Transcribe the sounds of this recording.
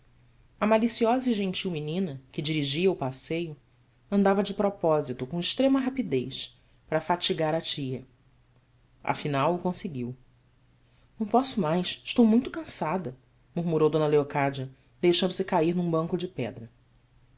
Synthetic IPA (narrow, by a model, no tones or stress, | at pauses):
ɐmalisiɔzɐʒẽt͡ʃiwminĩnɐkɪd͡ʒiɾiʒiɐʊpasejʊ | ɐ̃nd̪avɐd͡ʒɪpɾɔpɔzit̪ʊkõɪʃt̪ɾẽmɐɦapid̪ejʃ | pɾɐfat͡ʃiɡaɾɐt͡ʃiɐ | ɐ̰finawʊkõsɪɡiw | nɐ̃w̃pɔsʊmajsɪʃt̪owmũj̃t̪ʊkɐ̃sad̪ɐ | muɾmuɾowd̪õnɐleokad͡ʒɐ | d̪ejʃɐ̃nd̪ʊsɪkaiɾnũbɐ̃ŋkʊd͡ʒɪpɛ̰d̪ɾɐ